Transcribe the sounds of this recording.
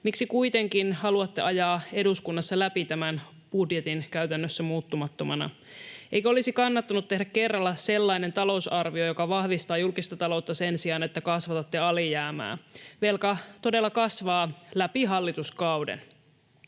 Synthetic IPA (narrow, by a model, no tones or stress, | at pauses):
miksikuit̪e̞ŋkinhɑluɑt̪ːe̞ɑjɑːe̞duskunːɑsːɑlæpit̪æmæn | b̥udjet̪inkæyɥt̪ænːøsːæmuːt̪ːumɑt̪ːomɑnɑ̰ | ʔejkæolisikɑnːɑt̪ːɑnut̪t̪ːe̞ɦdække̞rːɑlːɑse̞lːɑine̞nt̪ɑlo̞usɑrʋio̞jo̞kɑʋɑhʋist̪ɑːjulkist̪ɑt̪ɑlo̞wt̪ːɑse̞nsiɑnet̪ːækɑsʋɑt̪ɑt̪ːeɑlijæːmæ̰ːʋelkɑt̪o̞de̞lːɑkɑsʋɑːlæpiɦɑlːit̪uskɑwdḛn